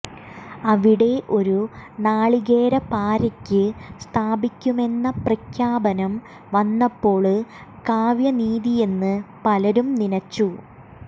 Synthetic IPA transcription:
ɐʋiɽe̞ʔo̞ɾunaːɭiɣe̞ːɾɐpaːɾɐkʲːɨst̪ʰaːbikʲːume̞nːɐprɐkʰjaːbɐnɐm | ʋɐnːɐpːo̞ːɭɨkaːʋjɐniːðije̞nːɨpɐlɐɾumninɐt͡ɕːu

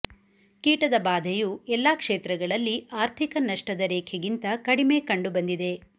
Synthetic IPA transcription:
kiːʈɐd̪ɐbaːd̪ʱejuːɛlːaːkʂeːt̪ɾɐɡɐɭɐlːiaːɾt̪ʰikɐnɐʂʈɐd̪ɐɾeːkʰjɐɡint̪ɐkɐɽime̞ːkɐɳɖubɐnd̪id̪e̞

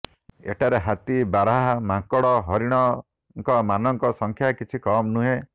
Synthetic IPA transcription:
ḛʈʰaɾeɦat̪ibaɾaɦamakɔɽɔɦɔɾiɽ̃ɔ | ŋkɔmanɔŋkɔsɔŋkʰjakit͡ʃʰikɔmnuɦẽ

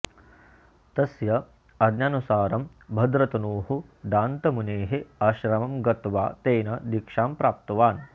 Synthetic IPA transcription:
t̪ɐsjɐ | ɐd̪njanusaːɾɐm | bʱɐd̪ɾɐt̪ɐnuːɦud̪aːnt̪ɐmuneːɦeɐʃɾɐmɐmɡɐt̪ʋa̰ːt̪eːnɐd̪ikʂaːmpɾaːp̚t̪ɐʋaːn

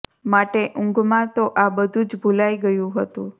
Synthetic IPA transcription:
maʈeʔʊ̃ŋɡmãt̪oʔabəd̪ʱũd͡ʒbʱulaiɡəjũɦət̪ṵ̃

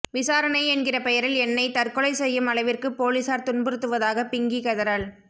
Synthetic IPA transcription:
ʋɪsaːɾɐnɐɪɛnɡɪrɐpɛjɐɾɪlɛnːɐɪt̪ɐrkɔɭɐɪsɛjːɯmɐɭɐɪʋɪrkɯpːoːlisaːɾt̪ʊnbɯɾɯt̪ːɯʋɐðaːɣɐpɪŋɡikɐðɐɾɐɭ

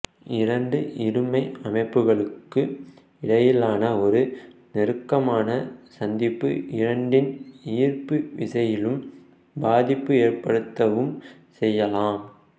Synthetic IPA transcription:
ɪɾɐɳɖɯʔɪɾɯmɐɪɐmɐɪpːɯɣɐɭɯkːɯ | ɪɽɐjɪlaːnɐɔɾɯnɪɾɯkːɐmaːnɐsɐnd̪ɪpːɯ̰ʔɪɾɐɳɖɪniːrpɯʋɪsɐjɪlɯm | baːðɪpːɯeːrpɐɽɯt̪ːɐʋɯm | sɛjːɐlaːm

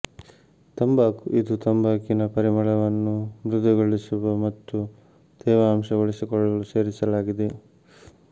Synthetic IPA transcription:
t̪ɐmbaːkuid̪ut̪ɐmbaːkinɐpɐɾimɐɭɐʋɐnːumɾud̪ɐɡoɭisuʋɐmɐt̪ːu | d̪̥ɛːʋɐːmʂɐʋoɭisikɔɭɐluse̞ːɾisɐlaːɡid̪e

